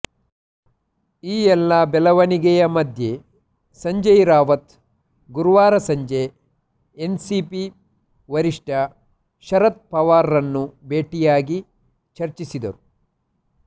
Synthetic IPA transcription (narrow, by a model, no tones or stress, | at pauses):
iːɛlːɐbɛlɐʋɐniɡɛjɐmɐd̪ʱje | sɐɲd͡ʒɐjɾaːʋɐt̪ | ɡuɾuʋaːɾɐsɐɲd͡ʒe | ensipi | ʋɐɾiʂʈɐ | ʃɐɾɐt̪̚pɐʋaːɾːɐnːubeːʈijaːɡi | t͡ʃɐɾt͡ʃisid̪ɐɾu